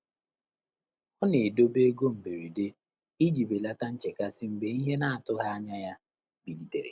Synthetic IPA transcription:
ɔ˦ne˨do˦be˦ɡo˦m̩˨be˨ɾi˨de˦ | i˦d͡ʒi˨be˨la˦ta˦n̩˦t͡ʃe˨ka˦si˦m̩˦be˨˦i˦ɦe˦na˦a˨tʊ˦ɦa˦a˦ɲa˦ja˦ | bi˨di˨tḛ˨ɾḛ˨

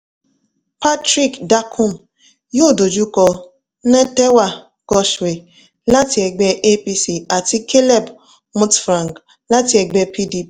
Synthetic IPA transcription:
pa˦tɾi˦kda˦kʰu˦˨m̩˨ | jo˦˨do˨d͡ʒu˦kɔ˨˦ | nɛ˦tɛ˦wa˨ | ɡ̥ɔ˦ʃwe˨ | la˦ti˨ɛ˨ɡ͡bɛ˦ʔe˦pi˦si˨a˨ti˦kʰe˦lɛ˦˨b | mu˦tfɾa˨ŋɡ | la˦ti˨˦ɛ˨ɡ͡bɛ˦pi˦di˦p

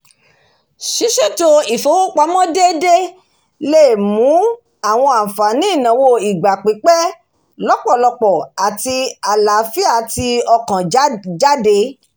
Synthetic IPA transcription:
ʃi˨˦ʃe˦to˧i˨fo˨˦wo˦k͡pa˨˦mɔ̃˦de˦de˦ | le˦˨mũ˨˦ | a˦˨w̃ɔ̃˧a˨fa˨nĩ˨˦˨nã˨wo˧i˨ɡ͡ba˨k͡pi˨˦k͡pɛ˦ | lɔ˨˦k͡pɔ˦˨lɔ˧k͡pɔ˨a˨ti˧a˨la˨˦fi˦a˦˨ti˧ɔ˧kã˨d͡ʒa˦de˧

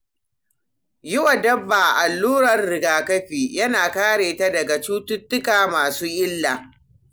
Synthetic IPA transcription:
jʊ˦wa˨dɐ˦bːaː˨ʔa˨lːuː˦ɾɐ˨rːɪ˨ɡaː˨kɐ˦ɸiː˨jɐ˦naː˨kaː˦ɽeː˨ta˦dɐ˨ɡa˨t͡ʃuː˦tʊ˦tːʊ˦kaː˨maː˨suː˦ʔɪ˦lːaː˨

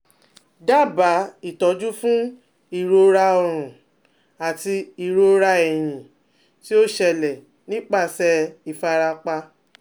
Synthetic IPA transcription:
da˦˨ba˨˦i˦˨tɔ˨˧˦d͡ʒu˦fũ˦ | i˦˨ɾo˧ɾa˧ɔ˧ɾ̃ũ˨ | a˨ti˧i˨˧ɾo˧ɾa˧ɛ˨j̃ĩ˨ | ti˦o˦ʃɛ˧lɛ˨ | nĩ˦k͡pa˦˨sɛ˧i˨fa˧ɾa˧k͡pa˧

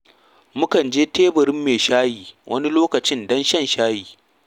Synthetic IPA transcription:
mʊ˦kɐ˨nd͡ʒeː˦teː˦bɐ˨ɾɪ˦mːeː˨ʃaː˦jiː˨wʔɐ̰˦ni˦loː˦kɐ˨t͡ʃɪ˦ndɐ˦nʃɐ˦˨nʃaː˦jiː˨

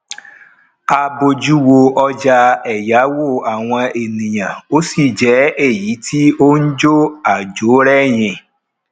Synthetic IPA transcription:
a˧bo˧d͡ʒu˦wo˧ɔ˧d͡ʒa˧ɛ˨ja˨˦wo˦˨a˨w̃ɔ̃˧e˨nĩ˨j̃ã˨o˦si˦˨d͡ʒɛ˨˦e˦˨ji˨˦tʰi˦o˦n̩˦d͡ʒo˦a˨d͡ʒo˨˦ɾɛ˦j̃ĩ˧

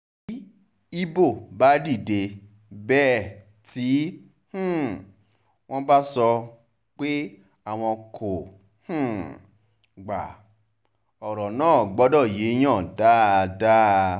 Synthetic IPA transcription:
i˦ | i˦bo˦˨ba˦di˦˨de˧ | bɛ˦˨ | ti˨˦ | h̩˦˨ | w̃ɔ̃˦ba˦sɔ˧ | k͡pe˦ | a˦˨w̃ɔ̃˧kʰo˨ | h̩˦˨ | ɡ͡ba̰˨ | ɔ˨ɾɔ˨nãː˦˨ɡ͡bɔ˨˦dɔ˦˨je˨˦j̃ãː˦˨da˦˧da˦

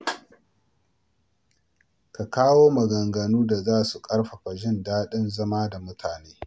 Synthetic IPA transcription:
ka˨kaː˦woː˦mɐ˨ɡɐ˨ŋɡɐ˨nuː˦da˨zaː˦su˨kʼɐ˦ɽɸa˨ɸa˨ʒɪ˦˨ndaː˦ɗɪ˦nzɐ˦ma˦da˨mʊ˦tʰaː˨neː˦

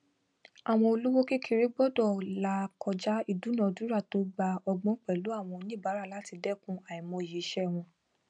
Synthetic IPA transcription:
a˨w̃ɔ̃˧o˧lu˦wo˦ke˦kʰi˧ɾe˦ɡ͡bɔ˦dɔ˦˨la˨˦kɔ˧d͡ʒa˦i˧du˨˦nã˨du˨˦ɾa˦˨to˨˦ɡ͡ba˧ɔ˧ɡ͡bɔ̃˦k͡pɛ˨lu˨˦a˦˨w̃ɔ̃˧nĩ˦˨ba˨˦ɾa˦˨la˨˦ti˧dɛ˦˨kũ˦a˨ĩ˨mɔ̃˧i˨je˨˦ʃɛ˦˨w̃ɔ̃˧

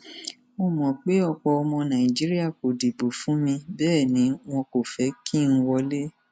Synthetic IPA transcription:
mo˧mɔ̃˨k͡pe˨˦ɔ˧˨k͡pɔ˧ɔ˧mɔ̃˧nã˨i˨d͡ʒi˨˦ɾi˦a˦˨ko˨de˨bo˨fũ˦mĩ˧bɛː˦˨nĩ˨˦w̃ɔ̃˧ko˨fɛ˨˦ki˦˨ñ̩˦wɔ˧le˦

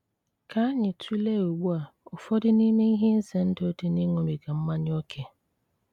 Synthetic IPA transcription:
kʰa˨a˦ɲɪ˨tʰu˦le˦˨o˨ɡ͡bu˦a˨ʊ˨fɔ˦dɪ˦ni˦me˦i˦ɦe˦n̩˦se˨n̩˦to˨˦te˨ni˦ŋʷo˨mi˨ɡa˨m̩˦ma˦ɲ˦o˦kʰe˨

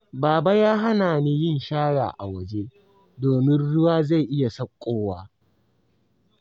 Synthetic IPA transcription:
baː˨ba˦jaː˦ɦa˦naː˨niː˦jɪ˦˨nʃaː˦ɽa̰ː˨ʔa̰˨wɐ˨d͡ʒe˦ | doː˨mɪ˦nɽʊ˦waː˦za˦˨ʔɪ˦ja˨sɐ˦kʷʼːoː˦waː˦

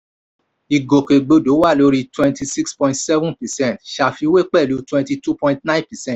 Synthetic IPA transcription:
i˨ɡo˨ke˨ɡ͡bo˧˦do˨˦wa˦˨lo˧˦ɾi˦˧twɛ̃˧nti˧si˦kspɔ̃˧ĩ˦tsɛ˦vũ˦pɛ˨sɛ̃˦˨tʃa˧˨fi˧˦we˦k͡pɛ˦˨lu˨˧˦twɛ̃˧nti˧tu˦pɔ̃˧ĩ˧tnã˦ĩ˦pɛ˨sɛ̃˦˨t

